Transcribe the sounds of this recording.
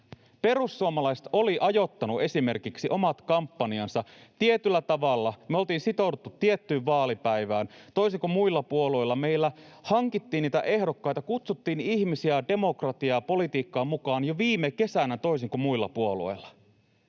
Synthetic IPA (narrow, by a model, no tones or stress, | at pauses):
pe̞ɾusːuomɑlɑjst̪o̞liʔɑjo̞t̪ːɑnuʔe̞sime̞rkiksiʔo̞mɑt̪kɑmpːɑniɑnsɑt̪iet̪ylːæt̪ɑʋɑlːɑmeolt̪iːnsit̪o̞dut̪ːut̪ːiet̪ːyːʋʋɑːlipæjʋæːnt̪o̞isiŋkumuilːɑpuo̞lo̞jlːɑme̞jlːæhɑŋkit̪ːiːnːiːt̪æʔe̞hdokːɑjt̪ɑkut̪sut̪ːiːniçmisiæde̞mo̞krɑt̪iɑpo̞lit̪iːkːɑːmukɑːnjoʋiːmeke̞sænæt̪ois̬iŋkumuilːɑ̰puo̞luo̰jlːɑ̥